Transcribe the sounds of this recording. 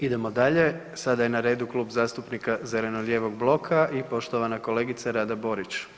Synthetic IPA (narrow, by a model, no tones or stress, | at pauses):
id̪e̞mo̞d̪aʎe̞ | sad̪aje̞naɾe̞ːd̪uklˠuːbzaːst̪upnikaze̞le̞nolʲje̞ːʋo̞ɡ̚blˠo̞kʰaʔipo̞ʃt̪oʋanako̞le̞ːɡit̪saɾaːd̪abo̞ɾit͡ʃ